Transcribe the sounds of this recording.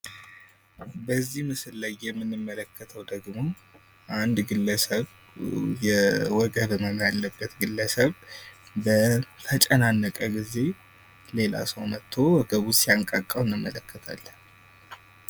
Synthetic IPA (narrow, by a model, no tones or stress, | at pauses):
bəzːihmɨsɨlːəjɛmːɨnːɨmːələkʰːət̪ʰəwd̪əɡmo | ʔand̪ɡɨlːəsəβ | jɛwɔɡəβɨməmjalːəbːət̪ɡɨlːəsəβbət̪ʰət͡ʃʼənanːəkʼəɡize̞ | le̞la̰səwnət̪ʰːo̞wɔɡəβusijaŋkʼakʼːəwɨnːɨmːələkʰːət̪ʰa̰lːən